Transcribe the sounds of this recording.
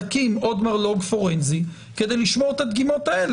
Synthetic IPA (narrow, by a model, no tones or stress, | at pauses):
kimod̪maʁloɡfoʁenzi | ke̞d̪e̞jliʃmoʁet̪ad̪ɡimo̞t̪ael